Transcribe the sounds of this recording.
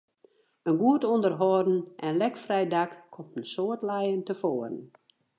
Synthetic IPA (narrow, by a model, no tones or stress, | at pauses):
ənɡuətondərɦɔrdn̩ʔɛnlɛkfrɛjdakkʰɔmtən̩soətlɛjəntəfoːərən